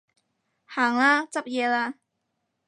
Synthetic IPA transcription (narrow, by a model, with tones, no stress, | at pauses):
haː˨˩˦ŋla˦˥t͡sa˦˥p̚je˧la˧